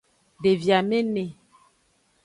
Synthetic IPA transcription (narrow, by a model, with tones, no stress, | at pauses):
ɖe˨vja˨me˦ne˨